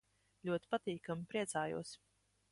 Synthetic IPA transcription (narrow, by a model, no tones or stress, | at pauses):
lʲuɔt̪i̥pat̪iːkamipɾiɛt̪saːjṵɔs